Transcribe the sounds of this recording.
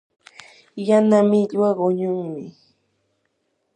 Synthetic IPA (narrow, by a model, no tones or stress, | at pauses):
janamɪʎwaɢoɲʊŋmɪ